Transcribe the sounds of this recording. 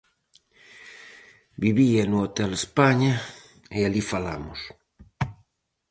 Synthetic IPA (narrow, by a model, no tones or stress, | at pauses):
biβianuot̪ɛlespaɲa | ealifala̰mʊs